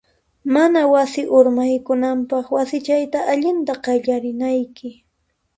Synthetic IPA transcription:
manawasɪʔʊɾmajkʊnampɑχwasɪt͡ʃajt̪aʔaʎɪnt̪aqɑʎaɾɪnajkɪ

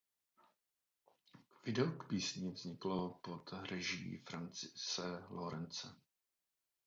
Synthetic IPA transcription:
vɪdɛokpiːsɲɪvz̥ɲɪklopot̪rɛʒḭfɾant͡sɪsɛloɾɛnt͡sɛ

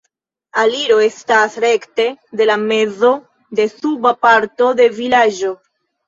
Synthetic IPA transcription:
aliɾo̞e̞stasɾe̞kte̞de̞lame̞zo̞ | de̞subapaɾto̞de̞vilad͡ʒo̞

